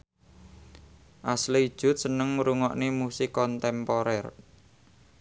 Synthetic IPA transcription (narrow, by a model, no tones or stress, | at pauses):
ʔasleid̥ʒ̥ʊ̤t̪̚sənəŋɾuŋɔ̰ʔnemusikɔnt̪ɛmpɔɾɛr